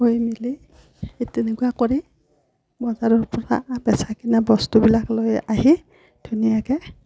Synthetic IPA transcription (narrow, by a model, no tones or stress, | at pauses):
ɦojmili | etɛnɛkuakoɹi | bɔzaɹɔɹpɔɹa̰bɛsakinabɔstubilaklojaɦi | d̥ʱunijakɛ